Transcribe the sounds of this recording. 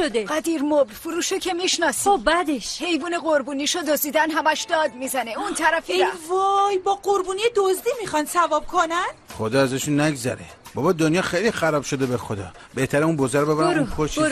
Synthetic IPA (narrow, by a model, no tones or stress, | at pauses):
od̪eʁæd̪iːɾmoblfuɾuːʃocʰemiʃnɒːsibæd̪eʃhe̞jvuːneɣoɾbuːniːʃod̪ozd̪iːd̪ænɦæmæʃd̪ɒːd̪̚miːzæneunt̪ʰæɾæfid̪ævɔjbɒːɢoɾbuːnijed̪ozd̪iːmiχɒnsævɒːb̥̚kʰonænχod̪ɒːæzæʃunːæɡzæ̰ɾḛ | bɒbɒd̪onjɒːxejlixæɾɒːbʃod̪ebexod̪ɒ̰ː | beht̪ʰæɾeunbozæɾobebæɾæmukʰoʃ